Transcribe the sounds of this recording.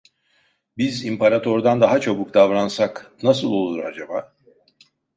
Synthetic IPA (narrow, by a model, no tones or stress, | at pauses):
bizimpʰaɾat̪ʰo̞ɾd̪and̪aɦat͡ʃʰo̞buk̚d̪avɾansaknasɯlˠo̞lˠuɾa̰d͡ʒabaː